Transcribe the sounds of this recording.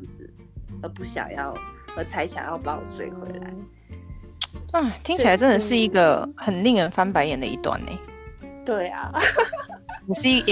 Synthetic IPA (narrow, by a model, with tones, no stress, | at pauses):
t͡sɹ̩˨˩˦ | ə˧˥pu˥˩ɕjɑ̰˨˩ŋjɑ˥˩ʊə˧˥t͡sʰa˧˥ɪɕjɑ̰˨˩ŋjɑ˥˧ʊpɑ˥˧ŋwɔ̰˨˩t͡swe˥˧˩ɪkwḛ˧˥˦ɪla̰˧˦ɪ | a˥˩t̪ʰi˥ŋt͡ɕʰla˧˥ɪʈ͡ʂə˥nd̪ə˨˩ʂɻ̩˥˩i˧˥ɡə˨xə˨˩nli˥˩ŋɻə˧˥nfa˥npa˧˥ɪjɛ˨˩nd̪ə˧ḭ˧˥t̪wa̰˥˩nḛ˩˦t̪we˥˩ɪa̰˩ | jɛ˨˩ʂɻ̩˥˩˧